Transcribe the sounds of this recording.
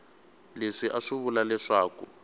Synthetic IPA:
leʂiʔaʂuβulalɛʂaːku

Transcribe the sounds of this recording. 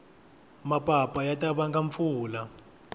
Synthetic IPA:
mapʼapʼajatʼaβaŋɡaɱfuːla

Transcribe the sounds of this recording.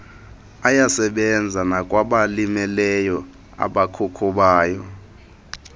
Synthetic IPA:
ajasɛɓɛnd͡zʱanakʼwaɓalimɛlɛjɔ | a̰ɓakʰukʰuɓaːjɔ

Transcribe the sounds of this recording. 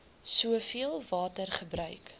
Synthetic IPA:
suəfiəlˠvɑːtərχəbɾœɥk

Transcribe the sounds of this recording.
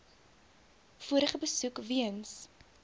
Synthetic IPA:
fuəɾəχəbəsukviəns

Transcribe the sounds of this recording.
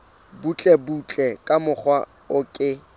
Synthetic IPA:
but͡ɬʼɛbut͡ɬʼɛkʼamʊχwa | ʊkʼɪ

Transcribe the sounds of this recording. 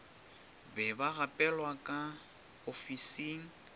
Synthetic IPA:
bɛbaɣapʼɛlwakʼa | ofisiŋ̩

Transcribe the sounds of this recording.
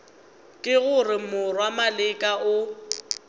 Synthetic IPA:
kʼɪɣʊrɪmʊrwamalɪkʼaʔʊ

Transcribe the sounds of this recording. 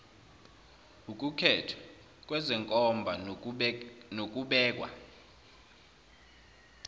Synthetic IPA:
uk̬ʼukʰɛtʰɔ̥ | k̬ʼwɛzɛŋkʼɔmbʱa | nok̬ʼuɓɛːk̬ʼwa̰

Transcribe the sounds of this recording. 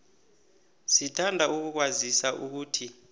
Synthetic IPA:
sitʰandʱauk̬uk̬wazisaʔuk̬uːtʰi

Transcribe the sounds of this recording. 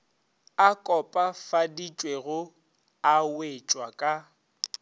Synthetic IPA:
akʼɔpʼafadit͡ʃʼweɣʊ | awet͡ʃʼwakʼa

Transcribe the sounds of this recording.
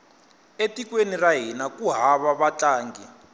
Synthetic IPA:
etikweniraɦinakuɦaβaβat͡ɬʼaːŋɡi

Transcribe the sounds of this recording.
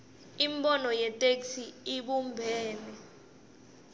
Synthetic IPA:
imɓɔnɔjɛtʼeksiiɓumbʱɛːnɛ

